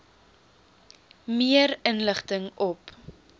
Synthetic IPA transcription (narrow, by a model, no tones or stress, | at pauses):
miəɾənləχtəŋɔp